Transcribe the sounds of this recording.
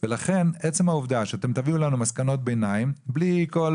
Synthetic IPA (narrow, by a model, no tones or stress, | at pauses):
velaχe̞net͡se̞mhauvd̪aʃeat̪e̞mt̪aviulanumaskano̞t̪̚benaimbliko̞l